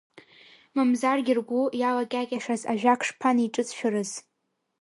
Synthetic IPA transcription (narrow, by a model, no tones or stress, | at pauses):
mɨmzarɡʲɪrɡʷujalakʲʼakʲʼaʂaza̰ʒᶣakʰʂpʰaniʈ͡ʂʼɨt͡sʰʼʃᶣʊrɨz